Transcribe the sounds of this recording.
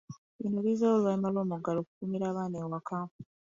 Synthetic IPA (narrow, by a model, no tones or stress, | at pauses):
inoβizawoluβalimalo̞ːmuɡalo̞ːkukumiɾaːβaːnewakaːpu